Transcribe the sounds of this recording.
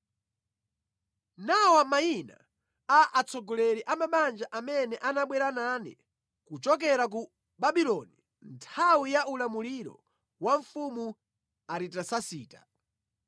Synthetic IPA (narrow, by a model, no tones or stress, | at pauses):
nawamaina̰ | aʔat͡sʰɔɡɔlɛɾiʔamaɓand͡ʒaʔamɛnɛʔanaɓwɛɾananḭ | kut͡ʃɔk̬ɛɾak̬u | ɓaɓilɔni | ntʰawijaʔulamuliɾɔ̰ | waɱfumu | aɾitasasiːta